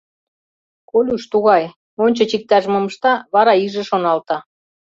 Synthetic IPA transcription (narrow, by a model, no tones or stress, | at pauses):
kolʲuʃt̪uɣɑj | onʲt͡ɕɤ̆t͡ɕik̚t̪æʒmŏmɤ̆ʃt̪ɑβɑɾɑiʒĕʃonɑlt̪ɑ